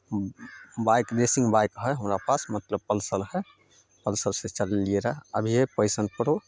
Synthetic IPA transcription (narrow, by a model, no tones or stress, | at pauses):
bajkd̪esĩŋɡbajkɦəjɦəmɾapasmət̪ləb̚pəlsəlɦɛ | pəlsəlset͡ʃəlelieɾaɦəbʱiɦepəjsənpəɾo